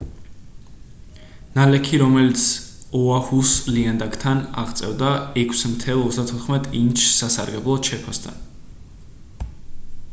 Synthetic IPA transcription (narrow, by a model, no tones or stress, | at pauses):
nalɛkʰiɾɔmɛlit̪sʰɔahusliand̪akʰt̪ʰana̰ʁt̪sʼɛvd̪aɛkʰsmt̪ʰɛlˠɔt̪sd̪at̪ʰɔt̪χmɛt̪ʼint͡ʃʰsasaɾɡɛblˠɔt͡ʃʰɛpʰɔst̪ʰa̰n